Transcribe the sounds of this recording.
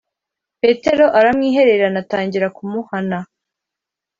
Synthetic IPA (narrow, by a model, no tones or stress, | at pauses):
pe̞ːte̞ɾo̞ʔaɾamŋiːɦe̞ɾe̞ɾanataːɲɟiɾakumuhana